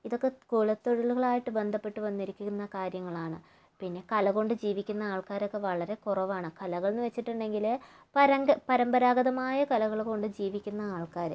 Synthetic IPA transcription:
iðo̞kːe̞koːɭɐt̪ːoɻɐluɣɐɭaːjiʈːɨbe̞nd̪ʱɐpːe̞ʈːɨʋɐnːiɾikʲːuunːɐkaːɾjɐŋːɐɭaːɳɨ | pinːe̞kɐlɐɣo̞ɳɖɨd͡ʑiːʋikʲːunːɐaːɭkaːɾo̞kːe̞ʋɐɭɐɾe̞kurɐʋaːɳɨkɐlɐɣɐɭnːɨʋet͡ɕːiʈːuɳɖe̞ŋɡil | pɐɾɐŋɡɐpɐɾɐmbɐɾaːɡɐðɐmaːjɐkɐlɐɣɐɭko̞ɳɖɨd͡ʑiːʋikʲːunːɐaːɭkaːɾɨ

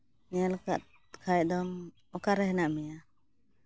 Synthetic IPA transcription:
nɛjalka̰t̪̚ | kʰajd̪ɔm | ɔkaɾɛɦɛnaʔmɛja

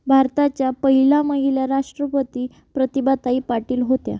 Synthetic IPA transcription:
bʱaɾt̪at͡ɕjapəɦilaməɦiljaɾaʂʈɾəpət̪iː | pɾət̪ibat̪aiːpaʈiːlɦot̪ja̰

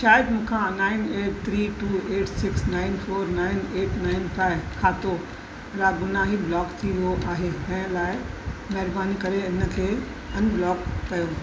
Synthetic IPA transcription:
ʃaːjɪd̪mũːkʰãnaːɪneːʈt̪ʰɾiːʈuːeːʈsɪksnãːɪnfoːɾnaːɪneːʈnaːɪnfaːɪʋkʰaːt̪o | ɾaːɡʊnaɦiblɔːkt̪ʰiʋioʔaːɦet̪ɐ̃ɦɪ̃laːɪmɐɦɪɾbaːnikɐɾeɪnə̆kʰeː | ɐnblɔːkːɐjoː

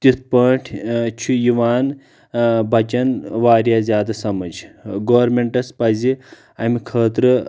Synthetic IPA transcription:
t̪it̪ʰpɐːʈʰt͡ʃʰujiʋaːn | bʱɐt͡ʃɐnʋaːɾjaːzjaːd̪asɐmɐd͡ʒɡoːɾmeɳʈɐspɐzi | ɐmikʰəːt̪ɾ

